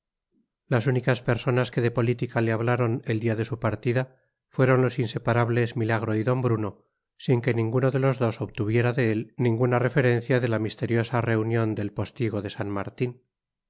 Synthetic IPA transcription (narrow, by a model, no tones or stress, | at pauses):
lasunikaspe̞ɾso̞naske̞ðe̞po̞lit̪ikaleaβ̞laɾo̞ne̞ld̪iaðe̞supaɾt̪iða | fwe̞ɾo̞nlo̞sinse̞paɾaβle̞zmilaɣ̞ɾo̞iðo̞mbɾuno̞ | siŋke̞nĩŋɡuno̞ðe̞lozðo̞so̞βt̪uβ̞je̞ɾaðe̞elnĩŋɡunare̞fe̞ɾe̞nθjaðe̞lamist̪e̞ɾjo̞sare̞unjo̞nd̪e̞lpo̞st̪iɣ̞o̞ðe̞sanma̰ɾt̪in